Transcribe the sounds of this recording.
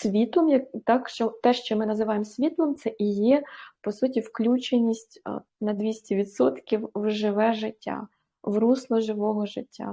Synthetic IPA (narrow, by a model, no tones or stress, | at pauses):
sʲʋʲit̪lˠɔmjɐkt̪ɑkʃt͡ʃɔt̪ɛʃt͡ʃɔmɪnɐzɪʋɑjemsʲʋʲit̪lˠɔmt̪sɛʔijɛpɔsutʲiwklʲut͡ʃenʲisʲtʲ | nɐd̪ʲʋʲisʲtʲiʋʲid̪sɔt̪kʲiwwʒɪʋɛʒɪtʲːa̰ | wruslˠɔʒɪʋɔɦɔʒɪtʲːa̰